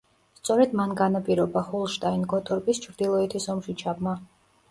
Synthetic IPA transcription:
st̪sʼɔɾɛd̪manɡanapʼiɾɔbaχulˠʃt̪ʼainɡɔt̪ʼɔɾpʼist͡ʃʰɾd̪ilˠɔɛt̪ʰisɔmʃit͡ʃʰabma

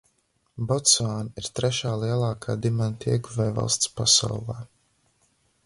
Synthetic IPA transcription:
bɔt̪saːniɾt̪ɾɛʃaːlˠiɛlˠɑːkʰaːd̪imant̪ʰiɛɡuvɛjva̰lˠst̪spasa̰wlˠaː

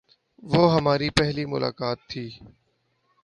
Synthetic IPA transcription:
ʋoːɦəmaːɾiːpɛɦliːmʊ̰la̰ːkaːt̪ʰːiː

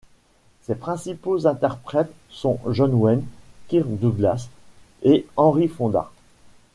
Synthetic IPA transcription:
sepχɛ̃sipozɛ̃t̪ɛʁpχɛt̪ | sɔ̃ʒɔnwɛnkʲiʁd̪uɡlas | eɑ̃ʁifɔ̃d̪a̰

